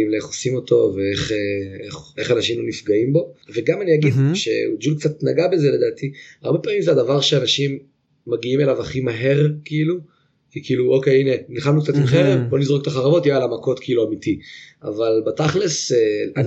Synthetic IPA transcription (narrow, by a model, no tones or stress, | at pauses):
imleeχosimo̞to̞veeχeeχe̞χanaʃimlonifɡaimbo̞veɡamaniaɡid̪ʃḛud͡ʒulk̚t͡satnaɡabe̞zele̞daːtʰiaʁbe̞paːmimzeadavaʁʃeanaʃimː | aɡiime̞lavaχimaɦe̞ʁkiilu | kikiiluʔo̞kejine̞niχamnukt͡sat̪imχeʁebo̞nizʁok̚t̪aχaʁavo̞tjijalamako̞tkʰiiluamitia̰valbataχlesean